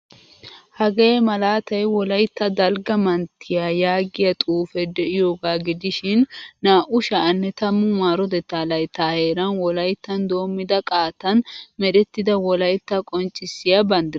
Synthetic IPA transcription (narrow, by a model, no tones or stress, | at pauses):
hɐɡɐmɐlaːt̪ɐjwɔlɐjt̪ːɐd̪ɐlɡɐmɐnt̪ʰːɪjaːjaːɡɪjɐt̪ʼuːfɛd̪ɛʔɪjoːɡaːɡɪd̪ɪʃɪnːaːʔʊʃanːɛt̪ɐmːʊmaːɾɔd̪ɛt̪ːaːlɐjt̪ːaːhe̞ːɾɐnwɔlɐjt̪ːɐnd̪o̞ːmːɪd̪ɐkʼaːt̪ɐnmɛd̪ɛt̪ːɪd̪ɐwɔlɐjt̪ːɐkʼɔnt͡ʃʼːɪsːɪjɐbɐnd̪ɪ